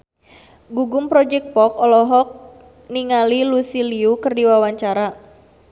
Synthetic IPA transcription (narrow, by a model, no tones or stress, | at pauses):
ɡuɡʊmpɾɔd͡ʒɛk̚t̪̚pɔkɔlɔɦɔk̚ | niŋalilusiliukɨrdiwawaɲt͡ʃaɾa